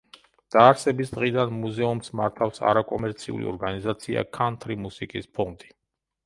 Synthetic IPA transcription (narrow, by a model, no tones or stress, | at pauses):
d̪̥aːɾsɛbisd̪ʁid̪anmuzɛumsmaɾt̪ʰafsa̰ɾakʼɔmɛɾt̪sʰiṵlḭɔ̰ɾɡanizat̪sʰia̰kʰant̪ʰʼɾimusikʼispʰɔnd̪ʼi